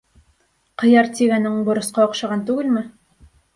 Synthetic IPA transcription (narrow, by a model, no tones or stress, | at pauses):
qɤ̆jɑɾt̪ʲiɡænɘŋbŏɾɤ̆sqɑŏqʃɑʁɑnt̪ʉɡɘlmɘ